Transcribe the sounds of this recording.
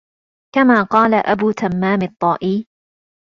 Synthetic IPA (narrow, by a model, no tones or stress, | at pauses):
kamaːqɑːlaʔa̰buːt̪amːaːmɪt̪ˤːɑːʔiː